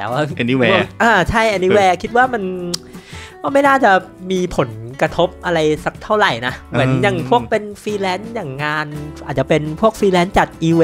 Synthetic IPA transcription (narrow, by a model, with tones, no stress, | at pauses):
t̪ɛː˨˦waː˥˩˧ni˦˥wɛ˥˩˧ʔaː˧˩t͡ɕʰa˥˩jʔɛː˧ni˦wɛː˧˥kʰi˦˥t̪̚waː˥˩ma˧n | waː˥˩ma˥˩jnaː˥˩t͡ɕa˨˩ | miː˧pʰo˨˩˦nkɾa˧t̪ʰo˦˥p̚ʔa˧ɾa˧jsa˨˦˩k̚t̪ʰa˥˩wɾa˨˩jna˦˥mɯ˩˦njaː˨˩ŋpʰu˥˩ək̚pe˧nfiː˧lɛː˦˥njaː˨˩ŋːaː˧nʔaː˨˩t̪̚t͡ɕa˨˩pe˧npʰu˥˩ək̚fiː˧lɛː˦˥nt͡ɕa˨˩k̪̚ʔiː˧we˧